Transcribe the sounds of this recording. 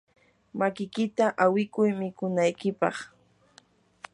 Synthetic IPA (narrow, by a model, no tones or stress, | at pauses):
makɪkɪt̪aʔawɪkʊjmɪkʊnajkɪpɑ̰χ